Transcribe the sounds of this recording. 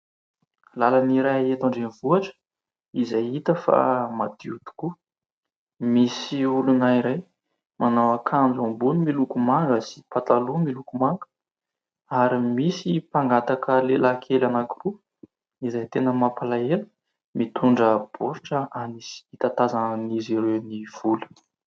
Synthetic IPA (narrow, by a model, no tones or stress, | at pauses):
lalaniɾajaet̪aɳɖ͡ʐenv̥uaʈ͡ʂə̥ | izajit̪əfa̰mad̪iut̪u̥ku | misiulunaiɾaj | mʔanawakʰand͡zuambunimilukumaŋɡəsi̥pat̪alumilukumaŋɡə̥ | aɾimisipaŋɡat̪akʰəlelakʰelanakuru | izajt̪enəmapalaelə̥ | mit̪ʰuɳɖ͡ʐəb̥oɾʈ͡ʂəanisi̥it̪at̪azaniziɾewniv̥ulə̥